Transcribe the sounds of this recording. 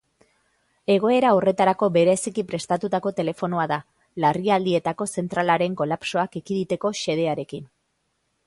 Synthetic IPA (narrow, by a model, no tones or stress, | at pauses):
e̞ɣ̞o̞e̞ɾao̞re̞t̪aɾako̞be̞ɾe̞sikipɾe̞st̪at̪ut̪ako̞t̪e̞le̞fo̞noaða | lariald̪ie̞t̪ako̞se̞nt̪ɾalaɾe̞ŋko̞lapso̞akikiðit̪e̞ko̞ʃe̞ð̞e̞aɾe̞kin